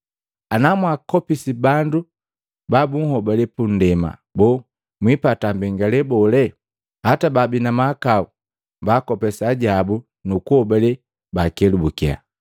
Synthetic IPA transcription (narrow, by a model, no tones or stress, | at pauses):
anamwakɔpisibandu | babuŋ̩hɔbalɛpun̩dɛma̰bɔː | mwipatambɛŋɡalɛbɔlɛ | hatababinamakau | baːkɔpɛsaɟabu | nukuhɔbalɛ | bakɛlubukia̰